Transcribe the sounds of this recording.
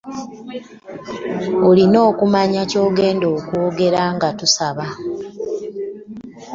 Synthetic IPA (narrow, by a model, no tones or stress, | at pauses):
olino̞ːkumaɲaco̞ːɡe̞ːndo̞ːkwoːɡe̞ɾaŋɡatusaβa